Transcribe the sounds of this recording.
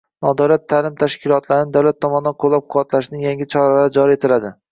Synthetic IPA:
nɒd̪awlat̪ʰːaːlɪmt̪ʰaʃkʲɪlˠɒt̪ʰlaɾɪnɪd̪awlat̪ʰːɒmɒnɪd̪anqʰolˠːap̚qʰʊwat̪ʰlaʃnɪŋjaŋʲɪt͡ʃʰɒɾalaɾɪd͡ʒɒɾie̞t̪ʰɪlad̪ɪ

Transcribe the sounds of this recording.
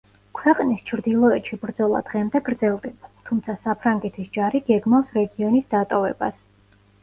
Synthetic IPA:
kʰwɛqʼnist͡ʃʰɾd̪ilˠɔɛt̪ʃibɾd̪zɔlˠa̰d̪̥ʁɛmd̪ɛɡɾd̪zɛlˠd̪ɛbat̪ʰumt̪sʰasapʰɾaŋɡɛt̪ʰisd͡ʒaɾiɡɛɡmafsɾɛɡiɔnisd̪at̪ʼɔvɛ̰bas

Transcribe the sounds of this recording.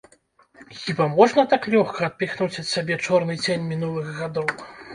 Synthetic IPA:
xʲibamɔʐnɐt̪aklʲɔxkɐɐt̪̚pʲixnut͡sʲɐt̪sʲabʲɛt͡ʂɔrnɨd͡zʲenʲmʲinulˠɨɣɣad̪ɔw

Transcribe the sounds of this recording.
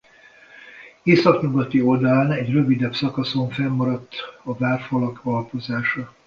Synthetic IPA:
eːsɒkɲuɡɒt̪io̞ld̪ɒlaːnɛɟrø̞vid̪ɛpsɒkɒso̞ɱfɛmːɒɾɒt̪ːɒvaːrfɒlɒkɒlpo̞zaːʃɒ

